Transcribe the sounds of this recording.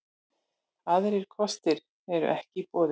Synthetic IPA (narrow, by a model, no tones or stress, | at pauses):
aðɾɪɾ̥kʰɔst̪ɪɾ | ɛɾʏ̰ʔɛhcɪpɔːðɪ